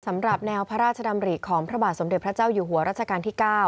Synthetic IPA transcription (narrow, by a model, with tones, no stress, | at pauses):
sa˩˦mɾa˨˩p̚nɛː˧wpʰa˧˥ɾaː˥˩t̪̚t͡ɕʰa˧da˧mɾi˨˩kʰɔː˩˦ŋpʰɾa˦˥baː˨˩t̪̚so˩˦mde˨˩t̚pʰɾa˦˥t͡ɕaː˥˩wjuː˨˩ɦu˩˦ɐɾaː˥˩t̪t͡ɕʰa˧kaː˧nt̪iː˥˩kaː˥˩w